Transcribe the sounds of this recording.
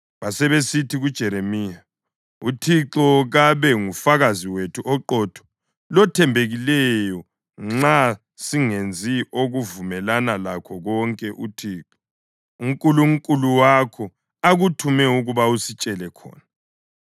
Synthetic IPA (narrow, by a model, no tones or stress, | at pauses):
βasɛβesitʰiɣud̥ʒ̥ʱɛɾemiːa | utʰiǁɔɣaβɛŋufaɣaziwetʰuʔɔǃɔːtʰɔ̥ | lɔtʰɛmbʱeɣilɛjɔ | ŋ͡ǁa | siŋend͡zʱiʔoɣuvumɛlanalakʰɔɣɔŋkʼɛʔutʰiːǁɔ | uŋkʼuluŋkʼuluwakʰɔ | aɣutʰumɛuɣuβausit͡ʃʼɛlɛkʰɔ̰ːna